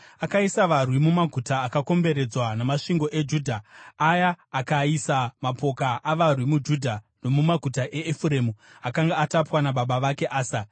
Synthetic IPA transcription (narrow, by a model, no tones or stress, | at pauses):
akaisaʋarwimumaɡʱutaːkako̞mbe̞ɾe̞d͡zwanamaʂiŋɡo̞ʔe̞d͡ʒuːdʱaajaːkaisamapo̞kaʔaʋarwimud͡ʒudʱa | no̞mumaɡʱutaʔe̞ːfuɾeːmuakaŋɡaatapwanaɓaɓaʋake̞ʔaːsa